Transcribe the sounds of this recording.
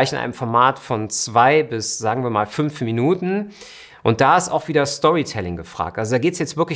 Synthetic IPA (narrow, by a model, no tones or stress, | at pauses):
ɪçɪnʔa̰ɪnəmfɔɐmaːtfɔnt͡sv̥aɪbɪsz̥aːɡŋ̩viːɐmaːlfʏnfminuːtn̩ | ʔʊnt̚d̥aːɪsta̰ʊxv̥iːdɐstɔʁitʰɛlɪŋɡəfʁ̥a̰ːk̚tʔalzodaːɡeːtəsjɛt͡stvɪɐklɪ